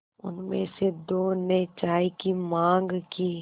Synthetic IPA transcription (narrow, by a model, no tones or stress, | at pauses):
ʊ̰nmḛ̃sed̪oːnet͡ʃaːikimãːŋɡkiː